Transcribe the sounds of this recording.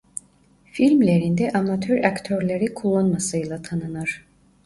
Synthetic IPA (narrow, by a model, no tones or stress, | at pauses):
filʲmlʲeɾind̪ɛʔamat̪ʰøɾakt̪ʰøɾlʲeɾikʰulˠːanmasɯjlˠat̪ʰanɯnaɾ̥